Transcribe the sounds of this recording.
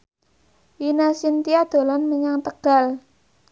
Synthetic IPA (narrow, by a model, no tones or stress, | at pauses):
inasint̪iad̪̥o̤lanməɲaŋt̪əɡ̥a̤l